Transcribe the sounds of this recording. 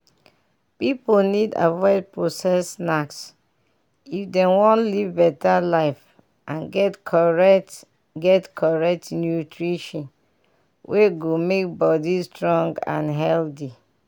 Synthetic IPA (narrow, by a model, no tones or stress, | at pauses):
piponida̰vɔɪd̚pɹosɛsnaks | ifdɛ̃wɔ̃nlivbɛtalaɪf | ʔãnɡɛtʰɔɹɛt | ɡɛtkʰɔɹɛk̚tnjutɹiʃɔ̃n | wʔeɡomek̚bɔdistɹɔ̃ŋɡã̰nɦɛldi